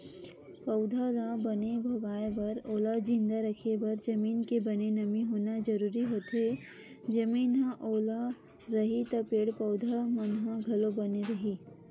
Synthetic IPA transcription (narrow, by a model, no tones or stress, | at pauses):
pɐʊd̪ʱalãːbɐnebʱoɡaːebɐɾoːlad͡ʒɪ̃nd̪aɾɐkʰebɐɾd͡ʒɐmiːnkebɐnenɐmiɦoːnad͡ʒɐɾuːɾiɦoːt̪ɦe | d͡ʒɐmiːnɦãʔoːla | ɾɐɦit̪ɐpeːɽpɐʊd̪ʱamɐnɦãɡʱɐlobɐneɾɐɦiː